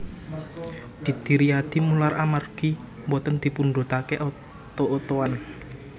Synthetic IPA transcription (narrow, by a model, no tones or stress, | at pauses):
d̪̥i̤t̪iɾiad̪̥imularʔamarɡ̥i | mbɔt̪ənd̪̥i̤punɖo̤t̪akeʔɔ | t̪oʔːt̪owan